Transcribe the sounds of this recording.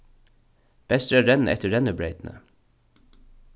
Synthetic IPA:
b̥ɛst̪ɾəæːɾɛnn̩ʔɛ̰t̪əɹɛnəbɹeɪt̪n̩ə̰

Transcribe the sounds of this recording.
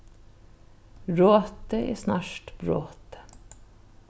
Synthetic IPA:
ɹoːt̪əʔḛːsnɑːʃʈb̥ɹo̰ːt̪ə̥

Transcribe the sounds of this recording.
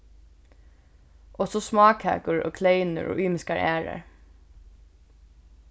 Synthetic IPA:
ʔɔsɔsmɑːkhæ̰ːkʊɹɔ̰ːkʰleɪnʊ̰ɹʔɔ̰ːʔʏːmɪskaɹʔæːɹa̰ɹ

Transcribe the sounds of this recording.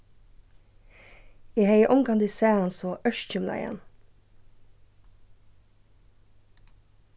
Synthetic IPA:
iːheɪəʔɔŋɡɑnd̪iːsæːɑnsoːʔœʃc͡çɪmlʔɑ̰ɪ̰ɛ̰n

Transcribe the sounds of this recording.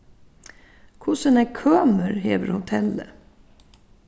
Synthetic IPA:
kʰʊsənækʰœːməɾɦeːʋə̰ɾhʊt̪ʰɛlːə̰

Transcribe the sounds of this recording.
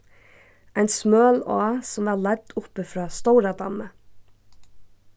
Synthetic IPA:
ʔæɪnsmøːloːsɔmʋɑːlɛd̪ʊpəfɾɑːst̪oʊɾɑd̪ɑ̰mə

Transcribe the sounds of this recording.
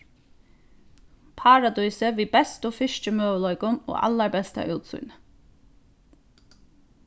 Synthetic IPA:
pʰɑːɾad̪ujsəʋiːbɛst̪ʊfɪʃt͡ʃəmøːʋəlɔʏkʊno̰ːa̰lːaɹbɛst̪a̰ʔʉːt̪sʊ̰jnə

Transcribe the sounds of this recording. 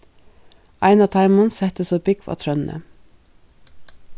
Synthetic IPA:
ʔɑɪnɑt̪ʰɑɪmɑnsɛt̪əsɔbɪɡʋɑ̰ːt̪ʰɾœnnʔə̰

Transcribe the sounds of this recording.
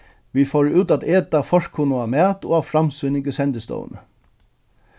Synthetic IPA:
ʋifɔːɹʉːt̪ad̪eːt̪afɔr̥kʰːʊnəamæːt̪ɔ̰aʋfɾamsʏnɪŋkəsɛnt̪əst̪ɔ̰ːwə̰nə̰

